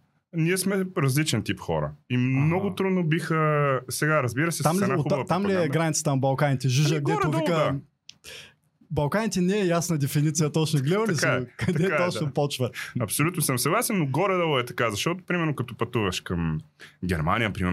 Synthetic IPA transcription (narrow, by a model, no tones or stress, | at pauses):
niɛsmɛɾɐzlit͡ʃɛnt̪ipxɔ̰ɾə̰imnɔɡʊt̪ɾud̪nobixəsɛɡaɾɐzbiɾəsɛamlinaoxub̪vt̪ːamliɛɡɾanit̪sə̥t̪ənɐbɐlˠkanit̪ɛʒiʒəɡd̪ɛɾɛovikəd̪a | bɐlˠkanit̪ɛnɛɛjasnɐd̪ɛfinit̪sijɐt̪ɔt͡ʃnʊɡlɛolisakɐd̪ɛt̪ɔt͡ʃnʊpɔt͡ʃvəɐpsolʲut̪nosəmsɐɡlˠasɛnːoɡɔɾɛd̪alˠɛt̪ɐkazɐʃt̪ɔt̪ʊ̥pɾimɛɾnʊkɐt̪ɔpɐt̪uvɐʃkɐmɡʲɛɾma̰niəpɾimɛɾ